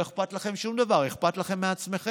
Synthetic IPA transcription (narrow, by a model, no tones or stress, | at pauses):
eχpat̪laχe̞mʃumd̪avaʁeχpat̪laχe̞mːeat͡sme̞χe